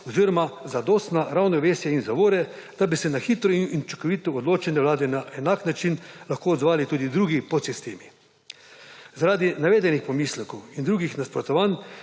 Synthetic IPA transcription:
ɔziɾɔmazad̪ost̪naɾawnɔʋeːsjainzaʋoːɾɛ | d̪abisɛnaxit̪ɾɔinint͡ʃɔ̥kɔʋiːt̪ɔːd̪loːt͡ʃɛnɛʋwlaːd̪ɛnaʔɛnaːknat͡ʃinlaxkoːd̪zʋaːlit̪uːd̪id̪ɾuːɡipɔt̪sist̪eːmi | zaɾaːd̪inaʋeːd̪ɛnixpɔmiːslɛkɔwind̪ɾuːɡixnaspɾɔt̪ɔʋan

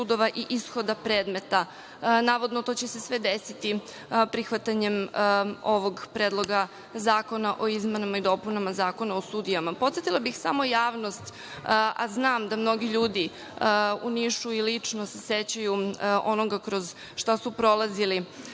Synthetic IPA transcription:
ud̪o̞ʋaʔiʔisxod̪apɾeːd̪me̞t̪a | naːʋo̞d̪not̪o̞t͡ɕese̞sʋe̞d̪esit̪i | pɾixʋat̪aɲem | o̞ʋo̞ɡpɾeːd̪lˠo̞ɡa | zaːko̞naʔo̞izmenamaid̪o̞punamazaːko̞naosuːd̪ijamapot̪sjet̪ilˠabixsa̰mo̞jaːʋno̞st̪ | ʔaznaːmd̪amno̞ɡiʎuːd̪i | uniʃuilit͡ʂnoseset͡ɕajuʔo̞noɡakɾo̞z | ʃt̪asupɾo̞lˠazili

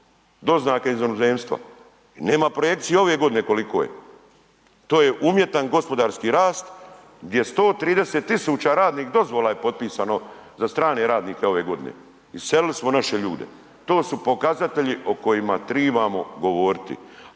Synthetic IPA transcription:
d̪o̞znaːkeizonozeːmst̪ʋa̰ | ne̞ːmapɾoje̞k̚t̪sijeo̞ʋeɡod̪ine̞ko̞liko̰ːjḛ | t̪o̞ːjeʔumje̞t̪anɡo̞spo̞d̪aːɾskiɾaːst̪ | ɡd̪je̞st̪o̞ːt̪ɾiːd̪e̞set̪ːisuːt͡ɕaɾaːd̪niːxd̪o̞zʋolajepo̞t̪̚piːsano̞zast̪ɾaːne̞ɾaːd̪niːkeo̞ʋe̞ɡo̞d̪inḛ | iselilismo̞naʃeʎuːd̪e̞̰ | t̪o̞ːsupo̞kazat̪e̞ʎiʔo̞ko̞jimat̪ɾiːbamo̞ɡo̞ʋoːɾit̪ḭ

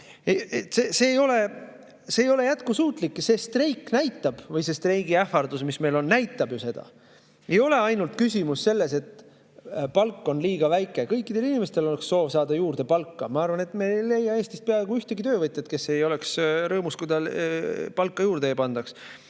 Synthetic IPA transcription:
eet̪sese̞ːjo̞le̞ | seːjo̞le̞jæt̪kusuːt̪ˑlikːse̞st̪rejkːˑnæjt̪ːˑɑb̥vɤjsest̪rejɡiæfɑrd̪̥usmisme̞jlo̞nːæjt̪ːˑɑbjuse̞d̪̥ɑ̰ | e̞jo̞le̞ɑjnult̪̚kysʲimusːe̞lːe̞se̞t̪ | pɑlkːo̞nliːɡ̥ɑvæjkːˑe̞kɤ̞jkːˑid̪̥e̞linimest̪e̞lo̞leksːo̞ːvsɑːd̪ɑjuːrd̪̥e̞pɑlkːɑmɑɑrvɑne̞t̪ˑme̞le̞jːɑe̞ːst̪ist̪peɑeɡuyht̪eɡit̪ø̞ːvɤt̪ʲːˑɑt̪̚ke̞sːe̞jo̞le̞ksɾɤːmuskujd̪ɑ | pɑlkːˑɑjuːɾd̪eːpɑnd̪̥ɑks

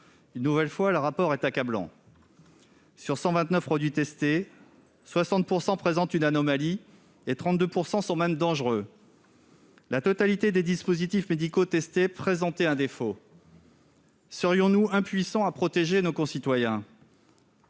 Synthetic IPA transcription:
ynːuvɛlfwaləʁapɔʁɛt̪akablɑ̰̃ | syʁsɑ̃vɛ̃t̪nœfpχɔd̪ɥit̪ɛst̪e | swasɑ̃t̪̚puʁsɑ̃pχezɑ̃t̪ynanɔmali | et̪χɑ̃t̪̚d̪øpuʁsɑ̃sɔ̃mɛmd̪ɑ̃ʒʁø | lat̪ɔt̪alit̪ed̪ed̪ispozit̪ifmed̪ikot̪ɛst̪epχezɑ̃t̪ɛɛ̃d̪efo | səʁjɔ̃nuɛ̃pɥisɑ̃apχɔt̪eʒenokɔ̃sit̪wajɛ̃

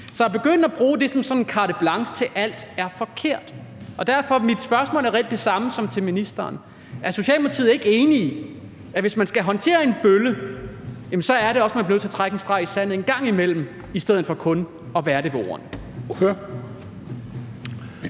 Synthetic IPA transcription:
sɒ̽jɑb̥e̝ɡ̥øn̰d̥æb̥ʁuːd̥e̝sɒ̽msɒ̽nenkʰɑ̈ːɾ̥əb̥lɑ̈ŋsə̥t͡sʰe̝lʔæl̰d̥æɐfɒ̽kʰe̝ɐ̰d̥ʔɒ̽d̥æɐ̰fɒ̽mid̥sb̥ɶɐsmɔ̰̽ːlæɐʁɛld̥e̝sɑ̈məsɒ̽mt͡sʰe̝minisd̥ɐːn | ʔæɐso̝ɕiɛ̰ːlpʰɑt͡sʰḭð̩̰ˠe̝ɡ̥e̝ːnii | æʋe̝smænsɡ̥æɦɒ̽nt͡sʰe̝̰ːɐe̝nb̥ølə | jæmn̩sɒ̽æɐɾe̝ɒ̽smænb̥inø̰t͡se̝ɐt͡sʰʁaɡ̥n̩sd̥ʁɑ̈ɪisæn̰̩e̝nɡ̥ɑ̈ŋ̰imel̰m̩ | isd̥eð̰ˠð̩ˠfɒ̽kʰɔ̽n | ɒ̽ʋæːɐɾe̝ʋɒ̰ːɐ̰n | ø

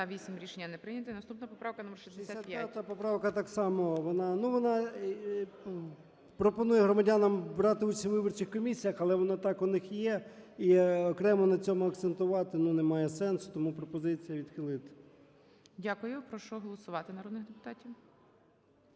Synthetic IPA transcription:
ɐʋʲisʲimɾʲiʃenʲːɐnɛpɾɪnʲɐt̪ɪnɐst̪upnɐpɔpɾɑwkɐnumɛrʃɛzzd̪d̪esʲaat̪jpjat̪ɐpɔpɾɑʋkɐt̪ɑksɑmɔʋɔnɑnuʋɔnɑ | pɾɔpɔnujɛɦɾɔmɐdʲanɐmbɾɑt̪ɪusʲiʋɪbɔrt͡ʃɪxkɔmʲisʲijɐxɐlˠɛʋɔnɑt̪ɑkʊnɪxjɛiɔkɾɛmɔnɐt͡sʲɔmʊɐkt̪sent̪ʊʋɑt̪ɪnunemɑjɛsɛnsʊ̥t̪ɔmupɾɔpɔzɪt͡sʲijɐʋʲid̪̥xɪlˠɪt̪ɪ̥ | dʲakʊjʊpɾɔʃt͡ʃɔɦɔlˠɔsʊʋɑt̪ɪnɐɾɔd̪nɪxd̪epʊ̥t̪ɑtʲiw

